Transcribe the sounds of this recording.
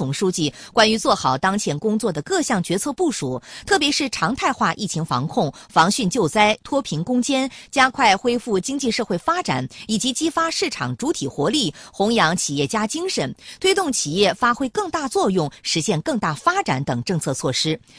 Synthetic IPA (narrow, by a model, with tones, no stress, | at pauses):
ʊ˨˩ŋʂu˥t͡ɕi˥˩kwa˥ny˧˥t͡swɔ˥˩xɑ˨˩ʊt̪ɑ˥ŋt͡ɕʰjɛ˧˥nkʊ˥ŋt͡swɔ˥˩d̪ə˩kɤ˥˧ɕjɑ˥˩ŋt͡ɕɥɛ˧˥t͡sʰɤ˥˧pu˥˩ʂu˨˩˦t̪ʰɤ˥˩pjɛ˧˥ʂɻ̩˥˩ʈ͡ʂʰɑ˧˥ŋt̪ʰa˥˧ɪxwa˥˧ʔi˥˩t͡ɕʰi˧˥ŋfɑ̰˧˥ŋkʰʊ˥˩ŋfɑ˧˥ŋɕy˥˧nt͡ɕjo˥˩ʊt͡sa˥ɪt̪ʰwɔ˥pʰi˧˥nkʊ˥ŋt͡ɕjɛ˥nt͡ɕja˥kʰwa˥˩ɪxwe˥ɪfu˥˩t͡ɕi˥ŋt͡ɕi˥˧ʂɤ˥˧xwe˥˩ɪfa˥ʈ͡ʂa̰˨˩˦ni˨˩t͡ɕi˧˥t͡ɕi˥fa˥ʂɻ̩˥˩ʈ͡ʂʰɑ̰˨˩ŋʈ͡ʂu˧˥t̪ʰi˨˩xwɔ˧˥li˥˩xʊ˧˥ŋjɑ˧˥ŋt͡ɕʰi˨˩jɛ˥˩t͡ɕja˥t͡ɕi˥ŋʂə˨˩nt̪ʰwe˥ɪt̪ʊ˥˩ŋt͡ɕʰi˨˩jɛ˥˩fa˥xwe˥ɪkɤ˥˧ŋt̪a˥˧t͡swɔ˥˧jʊ˥˩ŋʂɻ̩˧˥ɕjɛ˥˧nkɤ˥˧ŋt̪a˥˩fa˥ʈ͡ʂa˨˩˥nt̪ɤ˨˩ŋʈ͡ʂɤ˥˧ŋt͡sʰɤ˥˧t͡sʰwɔ˥˩ʂɻ̩˥